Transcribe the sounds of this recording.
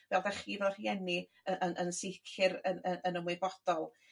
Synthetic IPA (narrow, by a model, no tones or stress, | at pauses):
vɛlˠðɛχiːðɔr̥jɛni | əʔənʔənsɪkʰɪɾənənənəmwɪbɔd̥ɔlˠ